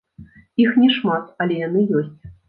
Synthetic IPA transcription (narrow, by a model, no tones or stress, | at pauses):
ixnʲɛʂmat̪ɐlʲɛjanɨjɔsʲt͡sʲ